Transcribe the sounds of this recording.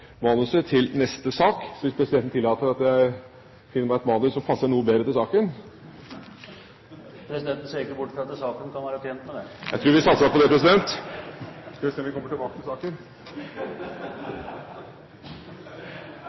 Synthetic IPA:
mɑːnʉsət̪ʰɪlnɛst̪əsɑːksɔʋɪspʰɾɛsɪd̪ɛnn̩t̪ɪlːɑːt̪əɾɑt̪jæɪ | fɪnːəmæɪɛt̪mɑːnəsɔmpʰɑsːəɳuːəbeːd̪ɾət̪ɪlsɑːkən | pʰɾɛsɪd̪ɛnt̪n̩seːɾɪkːəbʊʈːfɾɑt̪ːɛsɑːkənkʰɑnʋæːɾət̪ʰjɛnt̪mɛd̪ɛjæ̰ɪt̪ʰɾʉːɾʋɪsɑt̪səɑpɔd̪ɛpʰɾɛs̬ɪd̪ɛnt̪ | skɑʋɪseːnʋɪkʰɔməʈɪlbɑːkət̪ʰɪlsɑːkən

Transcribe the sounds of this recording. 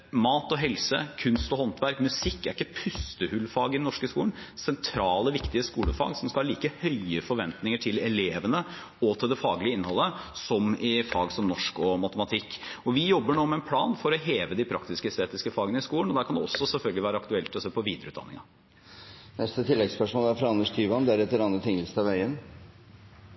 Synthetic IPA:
mɑːt̪ɔɦɛlsəkʰʉnst̪ɔɦɔnt̪ʰʋæɾkmʉsɪkːæɾɪkːəpʰʉst̪əhʉlːfɑːɡəɪd̪ɛnɔʂkəskṵːlənsɛnt̪ʰɾɑːləʋɪkt̪ɪəskuːlə̰fɑ̰ːɡsɔmskɑlɑːliːkəhœɪəfɔɾʋɛnt̪nɪŋəʈʰɪlɛleːʋənə | ɔt̪ʰɛld̪ɛfɑːɡlɪəɪnːhɔlːəsɔmɪfɑːɡsɔmnɔʂkɔmɑt̪əmɑt̪ʰɪkːɔʋɪjɔbːəɳuːmɛɛnpʰlɑːnfɔɾɔɦeːʋəd̪ɪpʰɾɑkt̪ɪskəst̪eːt̪ɪskəfɑːɡənəɪskuːləɳɔd̪æɾkʰɑnd̪ɛɔsːɔsɛlfœlɡəlɪʋæːɾəɑkt̪ʉɛlt̪ʰːɪlɔsøːpɔʋiːd̪əɾəʉːt̪d̪ɑ̰nːɪ̰ŋɑ | nɛst̪ət̪ʰɪlːɛɡspœʂmoːlæɾfɾɑɑnːəʂt̪ʰyːʋɑnd̪ɛæɾɛt̪ːəɾɑnət̪ʰɪŋəlst̪ɑʋæɪən

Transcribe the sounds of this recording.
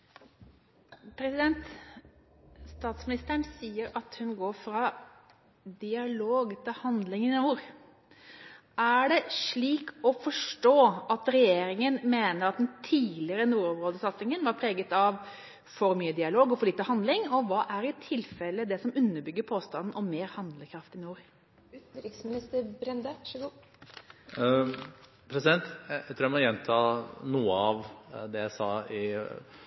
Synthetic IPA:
pʰɾɛsɪd̪ɛnt̪ | st̪ɑːt̪smɪnɪst̪əɳsiːəɾɑt̪hʉnɡoːɾfɾɑ | d̪ɪɑloːɡt̪ʰɪlhɑnd̪lɪŋnɪnuːɾ | ʔæɖɛʂɭiːkɔfɔʂʈoːʔɑt̪ɾɛjeːɾɪŋənmeːnəɾɑt̪̚d̪ɛnt̪ʰiːlɪəɾənuːɾɔmɾoːd̪əsɑt̪sɪŋənʋɑɾpʰɾeːɡət̪ɑʋ | fɔɾmyːəd̪ɪɑloːɡɔfɔɾɭiːt̪əhɑnd̪lɪŋɔʋɑːʔæɾɪt̪ʰɪlfɛlːəd̪ɛsɔmʉnːəbʏɡːəɾpʰoːst̪ɑnːn̩ʔɔmeːɾhɑnd̪ləkʰɾɑft̪ɪnuːɾ | ʉːt̪n̩ɾɪksmɪnɪst̪əɾbɾɛnd̪əɡ | pʰɾɛsɪd̪ɛnt̪jæt̪ɾuːɾjæɛmɔjɛnt̪ʰɑːnuːəɑʋd̪ɛjæɪsɑːɪ

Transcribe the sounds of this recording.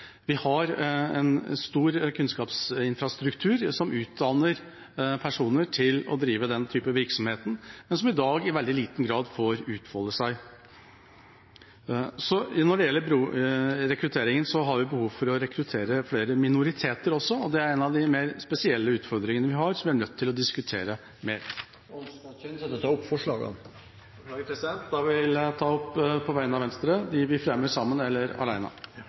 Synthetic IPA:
ʋɪhɑɾɛ̰nst̪uːɾkʰʉnskɑːpsɪnfɾɑst̪ɾʉkt̪ʰʉːɾsɔmʔʉːt̪̚d̪ɑnəɾ | pʰæʂuːnəʈʰɪlɔ̰d̪ɾiːʋəd̪ɛnt̪ʰyːpəʋɪɾksɔmheːt̪ən̩mɛnsɔmɪd̪ɑːɡɪʋɛld̪ɪliːt̪n̩ɡɾɑːd̪foːɾʉːt̪fɔlːəsæɪ | sɔnɔɖɛjɛlːəbɾuːɾɛkɾʉt̪ʰeːɾɪŋənsɔɦɑɾʋɪbəhuːʋfɔɾɔɾɛkʰɾʉt̪ʰeːɾəfleːɾəmɪnʊɾɪt̪ʰeːt̪əɾɔsːɔɔd̪ɛæɾɛnɑʋd̪ɪmeːɾspɛsɪɛlːəʉːt̪fɔɾd̪ɾɪŋənəʋɪɦɑɾsɔmʋɪæɳœt̪ʰːɪlɔd̪ɪskʉt̪ʰeːɾə | meːɾ | ɔnskɑt͡ʃɛnsɛt̪ːət̪ʰɑɔpːfɔʂɭɑ̰ːɡɑ̰n | d̪ɑːɡəpʰɾɛsɪd̪ɛnt̪d̪ɑʋɪlt̪ʰɑːɔpːpʰɔʋæɪnɑʋɛnst̪ɾəd̪ɪʋɪfɾɛməʂɑmːənɛlːəɾɑ̰læɪnɑ̰

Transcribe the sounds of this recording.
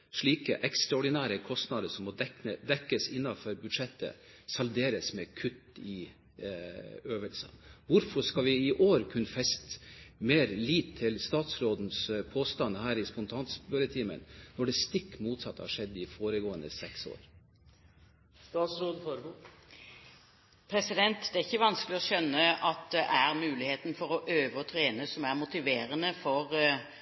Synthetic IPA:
ʂɭiːkəʔɛkst̪ɾɑɔɖɪnæːɾəkʰɔst̪nɑd̪əʂɔmmɔəd̪ɛkːəsɪnːɑfɔɾbʉd̪ʂɛt̪ːə̰sɑld̪eːɾəsmɛkʰʉt̪ːɪ | øːʋəlsə̰ʋʊɾfɔʂkɑʋɪɪʔoːɾkʰʉnəfɛst̪meːɾliːt̪ʰːɪlst̪ɑːt̪sɾoːd̪n̩spʰoːst̪ɑnhæːɾɪspʊnt̪ʰɑːnsbøɾət̪ʰiːmə̰nnɔɖɛst̪ɪkːmuːt̪sɑt̪ːhɑ̰ʂɛd̪ːɪfoːɾəɡoːə̰nəsɛkso̰ːɾ | st̪ɑːt̪sɾoːd̪fɔɾɡ | pʰɾɛsɪd̪ɛnt̪d̪ɛæɪçːəʋɑnskəlɪɔʃœnːəɑt̪̚d̪ɛʔæʁmʉːlɪheːt̪nfɔɾɔʔøːʋəɔt̪ʰɾeːnəsɔmæʁmʊt̪ɪʋeːɾənəfɔʁ

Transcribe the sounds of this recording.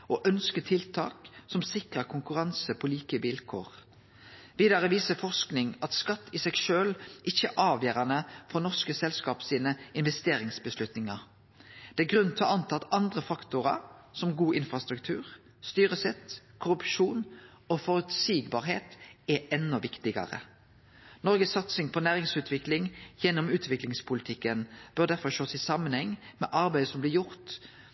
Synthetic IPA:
ʔoːʔœnskət̪ʰɪlt̪ʰɑ̰ːksɔmsɪkʁəkʰʊŋkʉʁɑnsəpʰɔliːkəʋɪlkʰo̰ːʁ | ʋiːd̪ɑʁəʋiːsəfɔʁsknɪŋɑt̪skɑt̪ːɪsɛɡʃøːlʔɪçːəʔɑːʋjøːʁɑnəfɔʁnɔʁskəsɛlskɑːpsiːnəɪnʋɛst̪eːʁɪŋsbəslʉt̪nɪŋɑʁ | d̪̥ɛæɡʁʉnt̪ʰhɑɑnt̪ʰɑt̪ɑnd̪ʁəfɑkt̪ʊʁɑ̰sɔmɡuːʔɪnfʁɑst̪ʁʉkt̪ʰʉːʁ | st̪yːʁəsɛt̪kʰʊʁʉpʃuːn | ofɔɾʉt̪siːɡbɑːʁɦeːt̪ɛʔɛnːɔʋɪkt̪ɪɡɑ̰ʁə̰ | nɔɾʁɡəsːɑt̪sɪŋpʰɔnæːʁɪŋsʉːt̪ʰʋɪklɪŋjɛnːɔmʉːt̪ʰʋɪklɪŋspʰʊlɪt̪ʰɪkːənb̥œʁd̪æɾfɔʁʃoːsɪsɑmːənhɛŋːmɛ̰ːʔɑʁbæɪd̪əsɔmblɪjʊʁt̪

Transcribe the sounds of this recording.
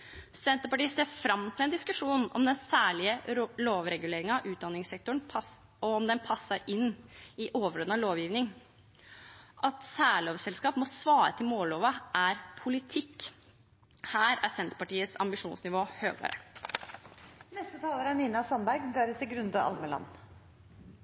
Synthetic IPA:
sɛnt̪əɾpɑʈiːəseːfɾɑmt̪ʰɪlɛnd̪ɪskʉʂuːnɔ̰md̪ɛnsæːɭɪəloːʋɾɛɡʉleːɾɪŋɑʔʉːt̪̚d̪ɑnːɪŋsɛk̚t̪ʊɳ | ɔɔmd̪ɛnpʰɑsːəɾɪnːɪʔoːʋəɾoːd̪nɑʋloːʋjiːʋnɪŋ | ʔɑt̪sæːɭoːʋsɛlskɑːpmɔsʋɑːɾə̰t̪ʰɪlmoːloːʋəʔæɾpʰʊlɪt̪ʰɪkː | hæːɾæ̰sɛnt̪pɑʈiːət̪sɑ̰mbɪʂuːnsnɪʋoːhø̰ːɡɑ̰ːɾə̰ | nɛst̪ət̪ʰɑːləɾæɳiːnɑsɑnbæɾɡd̪æɾət̪ɪlɡɾʉnd̪ɑʔɑ̰lməlɑ̰nː

